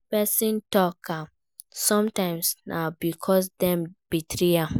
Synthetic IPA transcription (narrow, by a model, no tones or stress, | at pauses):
pɛsĩntɔka | sɔ̃mtãɪ̃msnʔabikʰɔs̬dɛ̃mb̥itʰɹia